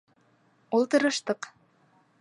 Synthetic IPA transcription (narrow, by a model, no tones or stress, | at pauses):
ulˠt̪ɤ̆ɾɤ̆ʃt̪ɤq